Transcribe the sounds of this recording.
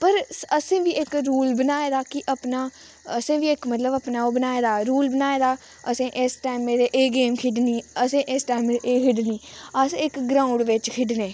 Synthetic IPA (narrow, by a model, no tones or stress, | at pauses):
pəɾəsẽːʋiːɪkɾuːlbənaːeːd̪aːkɪʔəpnaː | əsẽːʋiːɪkmət̪ləbəpnaːobənaːeːd̪aːɾuːlbənaːeːd̪aː | əsẽːʔɪsʈaːɪmːeːɾeʔeːɡeːmkʰɪɖniːəsẽːʔɪsʈaːɪmeeʔeːkʰɪɖniːəsɪkɡɾãːʊ̃ɳɖʋɪt͡ʃkʰɪɖneː